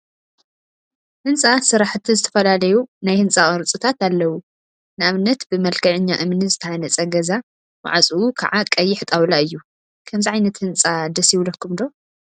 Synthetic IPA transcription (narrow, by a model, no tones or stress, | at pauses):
hɨnt͡sʼasɨɾaħɨt̪ʰːizɨt̪ʰɐ̥fɐlalɐjunajhɨnt͡sʼaχʼɐɾt͡sʼɨt̪ʰat̪alːɐwu | nɨaβnɐt̪bɨmɐlkʰɐʕɪɲːaʔɨmnɨzɨt̪ʰɐʕanɐt͡sʼɐɡɐza | wa̰ʕat͡sʼuukʰa̰ʕakʼɐjːɪħt̪ʼawlaɨjːu | kʰɐmziʕajnɐt̪hɨnt͡sʼad̪ɐsjɪwlɐkʰːumd̪o̞